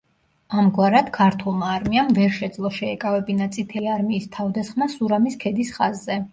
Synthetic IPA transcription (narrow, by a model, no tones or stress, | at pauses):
amɡwaɾad̪̥kʰaɾt̪ʰulˠmaːɾmiamvɛɾʃɛd̪zlˠɔʃɛɛkʼavɛbinat̪sʼit̪ʰɛliaɾmiːst̪ʰavd̪asχmasuɾamiskʰɛd̪isχazːɛ